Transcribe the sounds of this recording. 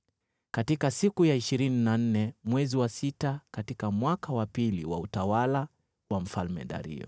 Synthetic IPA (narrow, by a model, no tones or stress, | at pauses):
katikasikujaiʃiɾininan̩nɛmwɛziwasitakatikamwakawapilḭwa̰utawala | wam̩falmɛ̰ɗa̰ɾḭɔ̰